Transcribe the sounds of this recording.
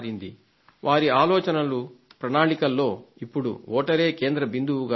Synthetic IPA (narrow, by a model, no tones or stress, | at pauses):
ɾind̪i | ʋaːɾiaːlɔːt͡ʃɐnɐlupɾɐnaːɭikɐlːo̞ːipːuɽṵɔːʈɐɾe̞ːke̞ːnd̪ɾɐbind̪uwuɡa